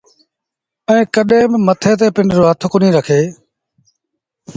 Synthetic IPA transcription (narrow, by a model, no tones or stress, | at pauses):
ɛ̃ːkəɗẽːbɪmət̪ʰeːt̪̬eːpɪɳɖɾoːɦət̪ʰkʊnĩːɾəkʰeː